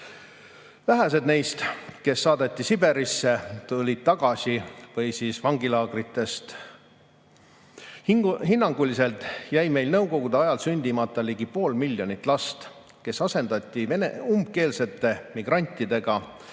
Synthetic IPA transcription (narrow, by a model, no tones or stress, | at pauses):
væɦæs̬e̞d̪̥ne̞jst̪ke̞sːɑːd̪et̪ʲːˑisibe̞ɾisːe̞t̪ulʲid̪̥̚t̪ːɑɡ̥ɑsivɤjsiːsvɑŋɡ̥ilɑːɡ̥rit̪ːˑe̞st̪ | ɦinːɑŋɡ̥ulise̞lt̪ˑjæjme̞jlnɤwko̞ɡ̥ud̪eɑjɑlsynʲd̪̥ʲimɑt̪ːˑɑliɡipo̞ːlmilʲːjo̞nʲit̪ːˑlɑst̪ | ke̞sɑse̞nd̪̥ɑt̪ʲˑːieneumb̥̚ke̞ːlse̞t̪ːe̞miɡ̥rɑnʲt̪ʲːˑid̪̥e̞ɡ̥ɑ